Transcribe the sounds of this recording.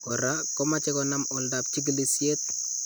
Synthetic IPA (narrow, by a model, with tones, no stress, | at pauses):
kɔ˨ɾa˦kɔ˦mat͡ʃɛ˦kɔna˦mɔ˨lda˨p̚t͡ʃi˦ɡ̬i˦li˦sje˦t̪̚